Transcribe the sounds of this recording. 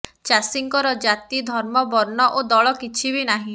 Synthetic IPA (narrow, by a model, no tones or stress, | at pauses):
t͡ʃasiŋkɔɾɔd͡ʒat̪id̪ʱɔɾmɔbɔɾnɔʔod̪ɔɭɔkit͡ʃʰibinaɦĩ